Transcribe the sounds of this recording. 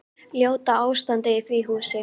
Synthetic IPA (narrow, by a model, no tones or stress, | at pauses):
ljoːwt̪aaːwst̪ant̪ɪɪθviːɦuːsɪ